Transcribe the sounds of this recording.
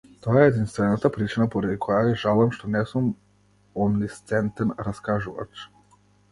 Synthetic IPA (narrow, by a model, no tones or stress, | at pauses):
t̪ojaɛd̪inst̪vɛnat̪apɾit͡ʃinapɔɾɛd̪ikʰɔjajɛʒalˠɛmʃt̪ɔnɛsum | ɔnnist̪sɛnt̪ɛnɾaskaʒuva̰t͡ʃ